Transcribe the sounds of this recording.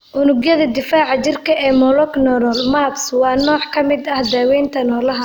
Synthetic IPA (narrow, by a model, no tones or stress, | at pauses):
ʔʊnʊɡjɐðɐd̪ɪfaːʕɑt͡ʃɪrkʰɐʔɛːmɔlɔknɔɾɔlmaːbswɑːnɔːʕkʰɐmɪd̪ɐhd̪aːwɛːnt̪ʰɐnɔːlɐɦɐ